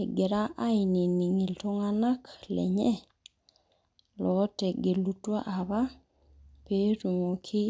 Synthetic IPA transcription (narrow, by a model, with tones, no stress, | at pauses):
e˨ɡe˨ɾa˦ʔa˦i˨ni˨ni˨ŋi˨lto˦ŋa˦na˦klɛ̰˨ɲɛ˦ | lɔ˨˦tɛ˨ɡe˨lu˦twa˦ʔa˨βa˦ | pe˦ɾu˨mo˨kʰɪ˦